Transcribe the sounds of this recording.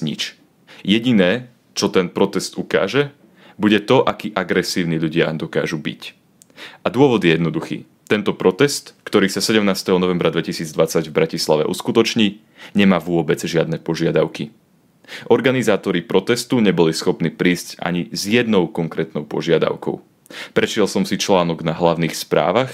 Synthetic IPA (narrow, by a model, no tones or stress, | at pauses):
ɲḭt͡ʃ | jɛɟinɛː | t͡ʃɔt̪ɛnpɾɔt̪ɛst̪uka̰ːʒɛ | buɟɛt̪ɔʔakiːʔaɡɾɛsiːʊniʎuɟɪad̪ɔka̰ːʒubḭc | ad̪ʊɔʋɔd̪jɛjɛd̪nɔd̪uxḭː | t̪ɛnt̪ɔpɾɔt̪ɛst̪kt̪ɔɾiːsasɛɟɛmnaːst̪ɛɦɔnɔʋɛmbɾad̪ʋɛcisiːd͡zd̪ʋat͡saɟvbɾacislaʋɛ̰ʔṵskut̪ɔt͡ʃɲiː | ɲɛmaːʋʊɔbɛd͡zʒɪad̪nɛpɔʒɪad̪aʊki | ʔɔɾɡanizaːt̪ɔɾipɾɔt̪ɛst̪uɲɛbɔlisxɔpniːpɾiːsca̰ɲizjɛd̪nɔʊkɔŋkɾɛːt̪nɔʊpɔ̰ʒɪad̪a̰ʊkɔ̰ʊ | pɾɛʃɪɛlsɔmsit͡ʃlaːnɔɡnaɦlaʊniːxspɾa̰ːʋax